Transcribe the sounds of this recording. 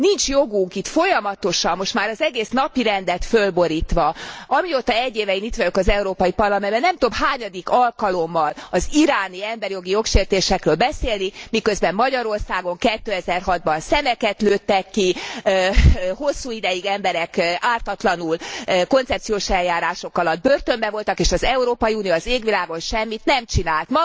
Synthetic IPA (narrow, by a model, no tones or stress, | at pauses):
nint͡ʃjo̞ɡuŋkit̪fo̞jɒmɒt̪o̞ʃɒmːo̞ʃt̪maːɾɒzɛɡeːsnɒpiɾɛnd̪ɛt̪følbo̞ɾiːt̪ʋɒɒmioːt̪ɒɛɟːeːvɛinit̪vɒjokɒzɛuɾoːpɒipɒrlɒmɛnbɛnːɛmt̪o̞bhaːɲɒd̪ikɒlkɒlo̞mːɒlɒziɾaːniɛmbɛɾjo̞ɡijo̞kʃeːrt̪eːʃɛkrøːlbɛseːlnimikø̞zbɛmːɒɟɒɾo̞rsaːɡo̞ŋkɛt̪ːøːɛzɛrɦɒd̪̚bɒnsɛmɛkɛt̪løːt̪ːɛkːiøho̞sːuːid̪ɛjiɡɛmbɛɾɛkaːrt̪ɒt̪lɒnulko̞nt̪sɛp̚t̪sijoːʃɛljaːɾaːʃo̞kɒlɒd̪̚børt̪ømbɛvo̞lt̪ɒkeːʃɒzɛuɾoːpɒjiunijoːɒzeːɡʋilaːɡo̞nʃɛmːit̪nɛmt͡ʃinaːlt̪mɒ